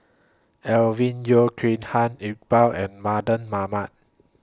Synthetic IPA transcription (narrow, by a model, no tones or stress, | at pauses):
ʔɛlvĩnjokʰɹĩnhãnit̚bawʔɛ̃nmadə̃nmamat̚